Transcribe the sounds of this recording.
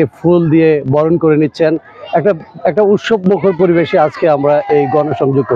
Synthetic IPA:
efʰuld̪iebɔɾonkoɾenitːɕʰen | ɛk̚ʈaɛk̚ʈaut̪ʃob̚mokʰoɾp̬oɾibeʃead͡ʑkeamɾaʔejɡɔnoʃɔŋd͡ʑoɡ̚ko

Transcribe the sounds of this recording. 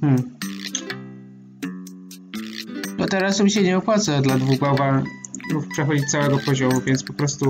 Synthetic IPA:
m̩ | d̪ɔt̪ɛɾasumɕɛɲɛɔpwat̪sɛd̪lad̪vuɣɡwawvamukpʂɛxɔd͡ʑit̪sawɛɡɔpɔʑɔmuvʲjɛnt̪spɔpɾɔst̪u

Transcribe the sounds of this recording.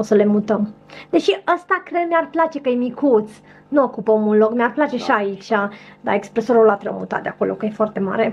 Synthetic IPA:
osəle̞mut̪əmd̪e̞ʃiəst̪akɾed̪mearplat͡ʃe̞kəjemikut̪s | nuokupəomulloɡmearplat͡ʃe̞ʃaːit͡ʃʲad̪a̰e̞kspɾe̞so̞ɾulat̪ɾəmṵt̪a̰t̪d̪eako̞lʔo̞̰kəje̞foart̪e̞ma̰ɾe̞

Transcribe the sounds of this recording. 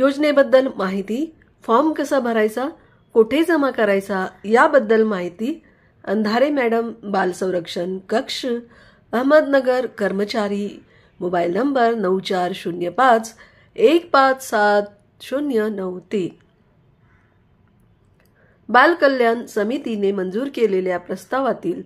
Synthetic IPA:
jod͡ʑnebəd̪ːəlmaɦit̪i | fɔɾmkəsəbʱəɾajt͡sa | koʈʰed͡zəmakəɾajt͡sajabəd̪ːəlmaɦit̪iː | ənd̪ʱaɾemæɽəmbalsə̃w̃ɾəkʂənkəkʂ | əɦməd̪nəɡəɾkəɾmət͡ɕaɾi | mobailnəmbəɾnəwt͡ɕaɾɕunjəpãt͡s | ekpat͡ssat̪̚ | ɕunjənəwt̪e | balkəlːjansəmit̪inemənd͡zuːɾkeleljapɾəst̪aʋat̪iːl

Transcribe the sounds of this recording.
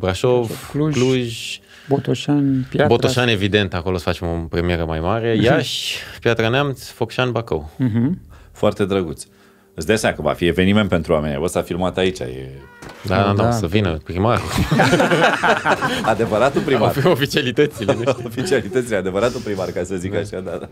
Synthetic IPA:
bɾaʃovlukluʒ | bot̪oʃanpjabot̪oʃane̞vid̪e̞nt̪ako̞losə̥fat͡ʃemopɾemie̞ɾəmajmaɾejaʃʲpjat̪ɾaneamt̪sʲfokʃanbakəw̩ɦ̩foart̪e̞d̪ɾəɡut̪sʲ | ɨsd̪easemakəva̰fieve̞niment̪̚pe̞nt̪ɾuwame̞nʲja̰vəsafilmat̪ait͡ʃʲa̰jḛd̪ad̪osəvinəpɾimaɾu | ad̪evəɾat̪upɾimaɾofit͡ʃialit̪ət̪silofit͡ʃialit̪ət̪silead̪e̞vəɾat̪upɾimaɾkasəzikaʃad̪a

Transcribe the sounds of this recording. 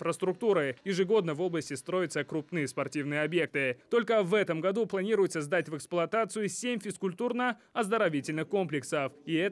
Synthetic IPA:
fɾəst̪ɾʊk̚t̪uɾɨjɪʐɨɡo̞d̪nəvo̞blˠəsʲtʲɪst̪ɾo̞jɪt̪səkɾʊpnɨjəspɐrtʲivnɨjəɐbje̞k̚t̪ɨt̪o̞lʲkəvɛt̪əmɡɐd̪uplˠɐnʲiɾʊjɪt̪səzd̪atʲvɛksplˠʊɐt̪at̪sɨjʊsʲemʲfʲɪskʊlʲt̪urnəɐzd̪əɾɐvʲitʲɪlʲnɨxko̞mplʲɪksəfɪɛ

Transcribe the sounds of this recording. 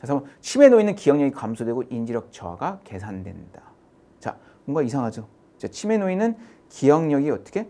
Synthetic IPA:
t͡ɕas̬ʰamʌt͡ɕʰime̞noinɯnkijʌŋɲʌɡikamsʰodwe̞ɡoʔind͡ʑiɾjʌk̚t͡ɕʌwa̰ɡake̞sʰandwe̞̰nda | t͡ɕa̰ | boŋɡaisʰaŋɦad͡ʑo | t͡ɕat͡ɕʰime̞noinɯnkijʌŋɲʌɡiʌt͈ʌ̥kʰe̞

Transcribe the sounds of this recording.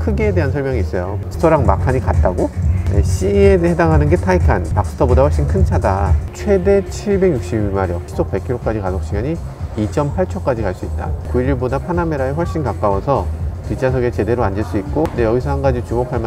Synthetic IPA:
kʰɯɡeːde̞ɦansʰʌɭmjʌŋiːs͈ʌjoas͈ɯ̥tʰʌɾaŋmakʰaɲikat̚t͈aɡonḛɕiehe̞daŋɦanɯnɡe̞tʰaikʰanpak̚s͈ɯ̥tʰʌbodawʌɭɕ͈inkʰɯnt͡ɕʰadat͡ɕʰwe̞de̞t͡ɕʰiɭbe̞ɡjuk̚ɕ͈ibjumaɾjʌisʰok̚p͈e̞kʰiɾok͈ad͡ʑikasʰok̚ɕ͈iɡjaɲi | it͡ɕ͈ʌmpʰaɭt͡ɕʰʌk͈ad͡ʑikaɭs͈uit̚t͈a̰kuiɾiɭbodapʰaname̞ɾaeɸwʌɭɕ͈inkak͈awʌsʰʌtit͡ɕʰasʰʌɡe̞t͡ɕe̞de̞ɾoand͡ʑeɭs͈uit̚k͈ondejʌɡisʰʌhanɡad͡ʑit͡ɕumokʰaɭma

